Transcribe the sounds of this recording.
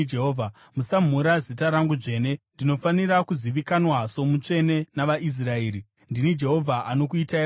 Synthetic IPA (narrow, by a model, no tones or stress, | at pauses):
eɦoːvʱa | musam̤uɾazitaɾaŋɡud͡ʐe̞ːne̞ndino̞faniɾakuziʋikanwaso̞mut͡ʂe̞ne̞naʋaʔis̬rae̞ːɾi | ndinid͡ʒe̞ɦo̞vʱaʔano̞kuita